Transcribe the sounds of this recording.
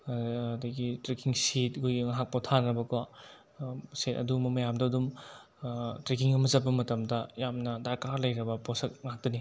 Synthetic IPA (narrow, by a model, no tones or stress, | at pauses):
dɐɡitɾekiŋsit̚ɡujɡŋɦak̚pɔtʰanɾɐbɐka | setɐ̰dumɐmɐjamdɐwdum | tɾekiŋɐmɐzɐbɐmɐtɐmdɐjamnɐdaɾkaɾlɐjɾɐbɐposɐk̚ŋaɦak̚dɐni